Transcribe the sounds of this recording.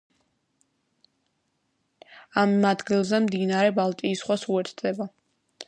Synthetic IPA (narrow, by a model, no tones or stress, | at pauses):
amad̪ɡilˠzɛmd̪inaɾɛbalˠt̪ʼiːsχwasuɛɾt̪ʰz̥ɛba